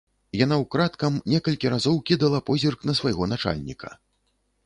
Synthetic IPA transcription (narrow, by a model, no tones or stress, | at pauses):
jan̪awkɾat̪kɐmnʲɛkɐlʲkʲiɾazɔwkʲid̪ɐlˠɐpɔzʲirknɐsvajɣɔnat͡ʂa̰lʲnʲḭkʰɐ̥̰